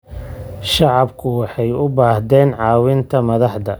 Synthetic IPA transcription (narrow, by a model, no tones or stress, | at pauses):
ʃɑʕɑbkʰʊwɑħɑjʊbaːhd̪ɛːnʕɑːwɪnt̪ʰɐmɐðɑħd̪ɐ